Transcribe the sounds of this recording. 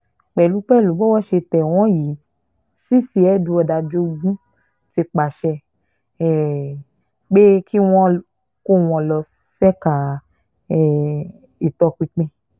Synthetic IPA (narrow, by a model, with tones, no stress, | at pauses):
k͡pɛ˨lu˨˦k͡pɛ˦˨lu˨˦bɔ˦wɔ˦ʃe˧tɛ˨w̃ɔ̃˨˦ji˨˦ | si˦si˧ɛ˦dũ˧ɔ˧da˧d͡ʒo˧ɡũ˦ | ti˧k͡pa˨ʃɛ˧ | ɛ˨ | ɡ͡be˦ki˦w̃ɔ̃˦ | ko˦w̃ɔ̃˧lɔ˧ | sɛ˦ka˨˦˨ | i˨tɔ˧k͡pi˧k͡pẽ˧